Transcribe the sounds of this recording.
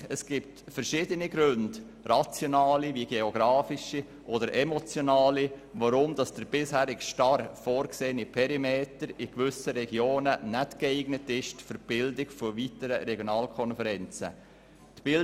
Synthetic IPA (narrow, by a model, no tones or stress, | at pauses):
əsɡ̥ɪp̚tfəɾʃɪdəniɡɾʉnd̥ | rat͡sjonɑːliviɡeoɡɾɑːfiʃi | ʔɔdəɾɛmɔt͡sjonɑːliʋaɾʊmdɑsd̥əɾbɪshæːɾɪkʃtɑɾfoːɾkseːnipʰɛɾimeːtəɾikvʏsəɾɛɡjoːnənɛtkeɪɡ̥nətɪʃtføɾb̥ɪldɪkfɔʋitəɾəɾɛɡjonɑːlkʰɔnfɛɾɛnt͡sə̰ | tb̥ɪl